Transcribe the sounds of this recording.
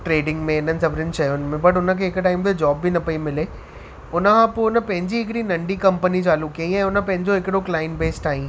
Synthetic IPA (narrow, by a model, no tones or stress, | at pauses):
ʈɾeːɖɪ̃ŋɡmẽɪnənɪ̆sɐbɾɪnɪʃɐjʊnmẽbɐʈ̬ʊnə̆kʰeːɦɪkʈaːɪmt̪ed͡ʑɔːbːinɐpɐimɪleː | ʊnə̆kʰãːpoːʊnəpɐ̃ɦɪ̃ɲd͡ʑiɦɪkɪɽinɐ̃ɳɖikɐ̃mpənit͡ɕaːlukiəĩɛ̃ːʊnə̆pɐ̃ɦɪ̃ɲd͡ʑoɦɪkɪɽoklaːɪnbeːsʈaːɦĩː